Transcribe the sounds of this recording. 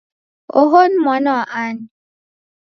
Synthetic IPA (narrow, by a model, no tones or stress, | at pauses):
oɦonmɔnɔʔan